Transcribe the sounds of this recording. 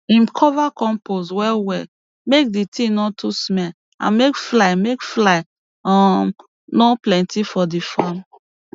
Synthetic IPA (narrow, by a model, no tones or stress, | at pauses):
ĩmkʰɔvakɔ̃mposwɛwɛ | mek̚ditʰĩnɔ̃tʰusmɛl | ã̰nmekflamekflaɪ | ɔm | nɔ̃plɛ̃ntifɔdifɔm